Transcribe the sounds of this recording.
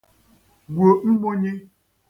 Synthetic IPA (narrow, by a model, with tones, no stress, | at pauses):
ɡwo˨ŋ͡m̩˦bo˦ɲe˦